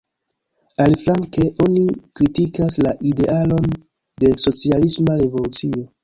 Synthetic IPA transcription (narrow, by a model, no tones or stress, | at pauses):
alflaŋke̞ʔo̞nikɾitikaslaʔide̞ʔalo̞n | de̞so̞t͡sialismaɾe̞vo̞lut͡sio̞